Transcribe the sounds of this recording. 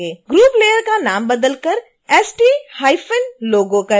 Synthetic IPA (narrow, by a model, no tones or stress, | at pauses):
eːɡɾuːpleːjəɾkanaːmbɐd̪əlkɐɾ | ɛːsʈiːhaːɪfənloːɡõkɐ